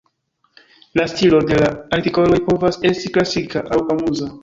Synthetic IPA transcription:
lastilo̞de̞laaɾtiko̞lo̞jpo̞vase̞stiklasikaʔawkamuza

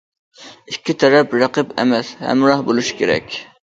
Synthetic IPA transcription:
ikʲʰːit̪ʰɛɾɛpɾɑqɨpḛmɛshæ̰mɾɑhbolˠuʃi̥kʲeɾɛ̰kʲ

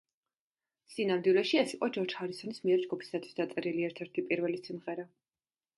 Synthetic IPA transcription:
sinamd̪wilɛʃiɛsiqʼɔd͡ʒɔɾd͡ʒhaɾisɔnismiɛɾd͡ʒɡupʰi̥sat̪sʰwi̥sd̪at̪sʼɛɾiliɛɾt̪ʰɛɾt̪ʰipʼiɾvɛlisimʁɛɾa

